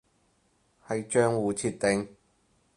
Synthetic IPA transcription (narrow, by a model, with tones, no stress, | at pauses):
hɐ˨jt͡ʃœː˥ŋwuː˨t͡sʰiː˧tt̪ɪ˨ŋ